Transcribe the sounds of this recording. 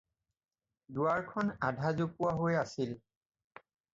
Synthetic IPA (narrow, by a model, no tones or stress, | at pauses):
duaɹkʰɔnadʱazopuaɦojasil